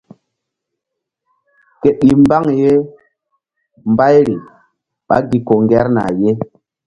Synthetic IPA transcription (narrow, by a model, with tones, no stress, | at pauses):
ke˨ɓi˨mba˦ŋje˦ | mba˦jɾi˨ | ɓa̰˦ɡi˦ko˨ŋɡɛ˦ɾna̰˨je˦